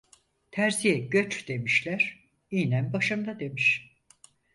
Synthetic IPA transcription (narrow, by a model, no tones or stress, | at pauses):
t̪ʰæɾzijɛɟø̞t͡ʃd̪̥e̞miʃlʲæɾ̥ | ijnænbaʃɯmd̪ad̪e̞miʃ